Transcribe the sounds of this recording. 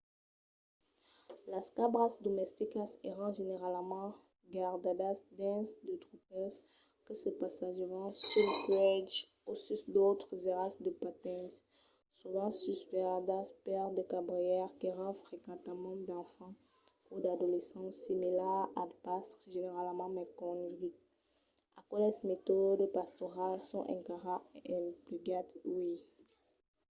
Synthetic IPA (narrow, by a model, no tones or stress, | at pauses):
laskabʁasd̪ɔmɛst̪ikaseʁɑ̃ʒeneʁalmɑ̃ | ɡaʁd̪ad̪asd̪ɛ̃sd̪ət̪ʁupɛs | kəsəpasaʒəvɑ̃sylkwɛd͡ʒosysd̪ot̪χəzeʁasd̪əpat̪ɛ̃s | suvɑ̃sysvɛʁd̪aspɛʁd̪əkabʁijɛʁkeʁɑ̃fχekɑ̃t̪amɑ̃d̪ɑ̃fɑ̃ | ud̪ad̪olesɑ̃similɛʁadpasʒeneʁalmɑ̃mɛkɔ̃nʁik | akɔlɛsmet̪ɔd̪əpast̪ɔʁalsɔ̃ʔɛ̃kaʁaeʔɛ̃pliɡat̪wi